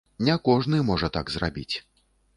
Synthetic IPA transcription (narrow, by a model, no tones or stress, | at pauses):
nʲɛkɔʐnɨmɔʐɐt̪aɡzra̰bʲḭt͡sʲ